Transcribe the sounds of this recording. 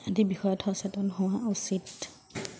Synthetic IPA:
edibixɔjɔtʰhɔsɛtɔnɦʊ̃wausit

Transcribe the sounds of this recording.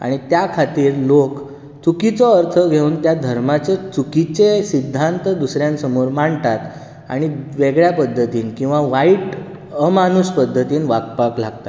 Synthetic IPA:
a̰ɽ̃it̪jakʰat̪iːɾlok | t͡sukit͡sɔəɾt̪ʰəɡʱeuːnt̪jad̪ʱəɾmat͡set͡sukit͡sesid̪ʱːant̪əd̪usɾjãnsəmoɾmaɳt̪at̪ | a̰ɽ̃iʋeɡɭjapəd̪ʱːət̪iːnkĩw̃ʋaʋaiʈ | əmanuspəd̪ʱːət̪iːnʋakpaklaɡ̚t̪at̪

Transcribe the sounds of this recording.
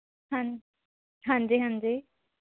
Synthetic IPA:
hã | ɦãːnd͡ʒiːɦãnd͡ʒiː

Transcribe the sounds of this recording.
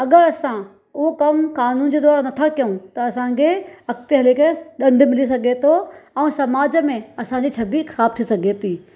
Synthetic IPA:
ɐɠəɾɐsã | ʊɦokɐmkaːnuːnd͡ʑeːd̪aːɾanɐt̪ʰakjɐũt̪ɐɐsãkʰeɐkt̪eɦɐleːkeɗɐ̃ɳɖʱmɪlis̬ɐɡʱet̪ʰoɛ̃ːsɐmaːd͡ʑəmẽɐsãɲd͡ʑiːt͡ɕʰɐbixɐɾaːb̚t̪ʰisɐɡʱet̪ʰiː

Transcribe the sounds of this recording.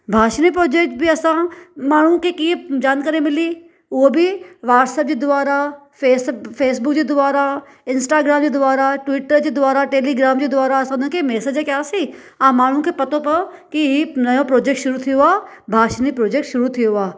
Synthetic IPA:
bʱaːʃnipɾoːd͡ʑeːk̚ʈ̚bʱiɐsãmaːɳ̤ũkʰekiːẽd͡ʑaːnkɐɾemɪli | ʊɦobʱiʋaːʈsəp̚d͡ʑed̪ʊʋaːɾa | feːsfʰeːsbʊkd͡ʑed̪ʊʋaːɾa | ɪ̃nsʈaːɡɾaːmd͡ʑed̪ʊʋaːɾaʈʋɪʈəɾd͡ʑeːd̪ʊʋaːɾaʈeːliɡɾaːmd͡ʑed̪ʊʋaːɾaɐsãnõkʰemɛːsed͡ʒekjaːsi | ãːmaːɽ̤ũkʰepɐt̪õpɐ | kiɦinɐjõpɾoːd͡ʑeːk̚ʈʃʊɾut̪ʰijoaː | bʱaːʃnipɾoːd͡ʑeːk̚ʈʃʊɾut̪ʰijoaː

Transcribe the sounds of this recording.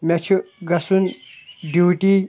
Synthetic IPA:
mʲɛt͡ɕʰuɡɐsunɖuwʈi

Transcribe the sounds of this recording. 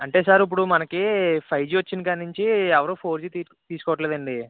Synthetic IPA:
ɐɳʈe̞ːsaːɾip̬ːuɽumɐnɐkipʰɐjd͡ʒiːʋɐt͡ʃːinkanːuɲt͡ʃiɛʋɐɾoːpʰo̞ːɾd͡ʒit̪i | t̪iːsu̥kɔːʋɐʈ̬leːd̪ɐɳɖi

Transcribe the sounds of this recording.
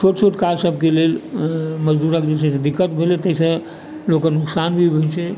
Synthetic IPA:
t͡ʃʰoʈt͡ʃʰoʈkalsəbʱkelelməd͡ʒd̪uɾakd͡ʒesesed̪ikːət̪bʱelet̪əɦisə̃ | lokənʊksanbʱibʱət͡ʃʰɛ

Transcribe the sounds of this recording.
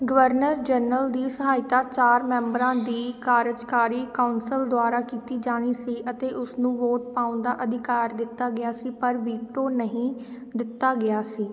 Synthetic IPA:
ɡəʋəɾnəɾd͡ʒənəld̪iːsəɦaːɪt̪aːt͡ʃaːɾmɛ̃ːmbəɾãːd̪iːkaːɾəd͡ʒkaːɾiːkaːʊnsəld̪ʊaːɾaːkiːt̪iːd͡ʒaːɽ̃iːsiːʔət̪eːʔʊsnũːʋoːʈ̚paːʊ̃nd̪aːʔəd̪ʱɪkaːɾd̪ɪt̪ːaːɡɪaːsiːpəɾʋiːʈoːnəɦĩː | d̪ɪt̪ːaːɡɪaːsiː

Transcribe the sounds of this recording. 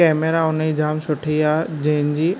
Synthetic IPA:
ɛːmeɾaʊnid͡ʑaːmsʊʈʰiad͡ʑɐ̃ɦɪ̃d͡ʑiː

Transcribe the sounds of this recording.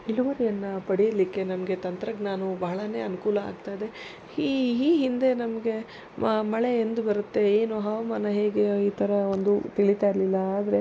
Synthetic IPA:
iluʋɐɾijɐnːɐpɐɽijɐlikːe̞nɐmɐɡe̞t̪ɐnt̪ɾɐɡnaːnubɐɦɐɭɐne̞ːɐnukuːlɐa̰ːɡ̚t̪aːjd̪e̞ | iɦiːɦind̪e̞nɐmɐɡe̞ | mɐɭe̞end̪ubɐɾut̪ːe̞eːnuɦɐʋɐmaːnɐɦe̞ːɡe̞iːt̪ʰɐɾɐo̞nd̪ut̪iɭit̪aːjiɾɐlilːɐaːd̪ɐɾe̞

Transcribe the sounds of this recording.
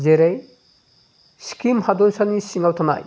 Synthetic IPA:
zeɾej | skimhadɔlsanisiŋawtʰana̰j

